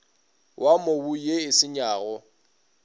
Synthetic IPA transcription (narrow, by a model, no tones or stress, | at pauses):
wʔamobujeɪsɪɲaːɣɔ